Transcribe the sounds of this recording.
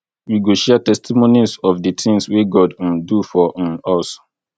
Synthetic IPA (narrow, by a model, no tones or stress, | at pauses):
wiɡoʃɛtɛstʰimonisɔfdətʰɪ̃ŋsweɡɔd̩dufɔ̃ɔs